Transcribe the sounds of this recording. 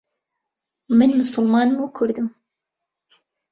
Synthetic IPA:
mɨnmʊsʊlˠmɑːnmuːkʰʊɾd̪um

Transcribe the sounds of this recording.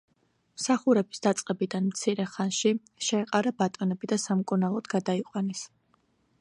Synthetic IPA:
msaχuɾɛbi̥sd̪at̪sʼqʼɛbid̪anmt̪sʰiɾɛχanʃi | ʃɛːqʼaɾabat̪ʼɔnɛbid̪asamkʼunalˠɔd̪ɡad̪aiqʼwanɛs

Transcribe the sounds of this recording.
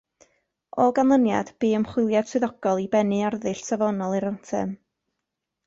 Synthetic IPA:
ɔɡanlˠənja̰d̥b̥iːəmχwɪlˠjad̥sʰwɨðɔɡ̥ɔlˠibɛnɨarðɨɬsʰavɔnɔlˠiɾantʰɛ̰m

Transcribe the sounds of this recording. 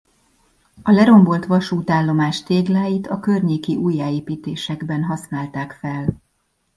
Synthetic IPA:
ɒlɛɾo̞mbo̞lt̪ʋɒʃuːt̪aːlːo̞maːʃt̪eːɡlaːjit̪ɒkørɲeːkiʔuːjːaːeːpiːt̪eːʃɛɡbɛnɦɒsnaːlt̪aːkfɛl

